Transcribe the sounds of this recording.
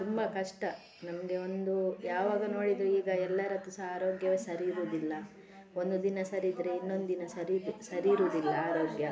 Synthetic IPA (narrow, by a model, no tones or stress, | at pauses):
t̪umbɐkɐʂʈɐ | nɐmɐɡe̞o̞nd̪ujaːʋaːɡɐno̞ːɽid̪ɾuiːɡɐɛlːɐɾɐt̪ːusɐaːɾo̞ːɡjɐʋesɐɾiːɾuːd̪ilːɐ | o̞nd̪ud̪inɐsɐɾid̪ɾeinːo̞nd̪ud̪inɐsɐɾiɾusɐɾiːɾuːd̪ilːɐaːɾo̞ːɡjɐ